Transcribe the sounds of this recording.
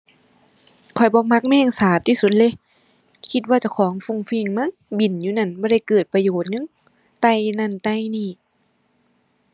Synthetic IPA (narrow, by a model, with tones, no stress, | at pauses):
kʰɔ˨˩jbɔː˧˦ma˧k̚mɛː˧˩˨ŋsaː˨˦p̚t̪ʰiː˧su˧˩t̪̚le˧˨ | kʰi˧t̪̬̚waː˧t͡ɕa˧˩wkʰɔː˨˦ŋfu˧˩ŋfiː˧˩ŋma˧˥˨nbi˨˩njuː˧na˧˥˨nbɔː˧˦ɾa˧˩jkɤː˨˩t̪̚pa˧joː˨˩t̪̚ŋɯ˧˥˨ŋ | t̪a˧˥˨jna˧˥˨nt̪a˧˨jniː˧˩˨